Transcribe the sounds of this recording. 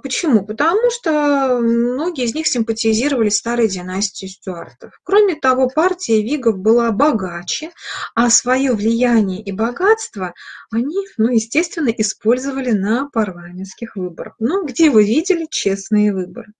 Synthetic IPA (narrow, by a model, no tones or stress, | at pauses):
pət͡ɕɪmupət̪ɐmuʂt̪omno̞ɡʲɪːzʲnʲixsʲɪmpətʲɪzʲiɾəvəlʲɪsʲst̪aɾɨjdʲɪnasʲtʲɪjʊsʲtʲʊart̪əfkɾo̞mʲɪt̪ɐvo̞partʲɪjəvʲiɡəfbɨlˠabɐɡat͡ɕɪɐsvɐjo̞vlʲɪjænʲɪjəʔibɐɡat̪st̪vəɐnʲinujɪsʲtʲe̞st̪vʲɪnːəʔɪspo̞lʲzəvəlʲɪnəpɐrlˠamʲɪnskʲɪxvɨbəɾəxnuɡdʲevɨvʲidʲɪlʲɪt͡ɕe̞snɨjəvɨbə̰ɾɨ